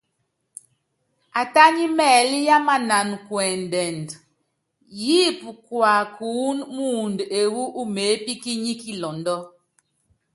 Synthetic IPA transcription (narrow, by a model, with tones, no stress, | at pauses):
a˨ta˦ɲi˦mɛː˨lja˦ma˨na˨nkwɛ˨n˨dɛ˨nd | ji˦pu˨kwa˨kuː˨˦nmu˦˨nde˨wu˦ʔu˦me˨˦pi˦ki˦ɲi˦ki˦lɔ˨ndɔ˦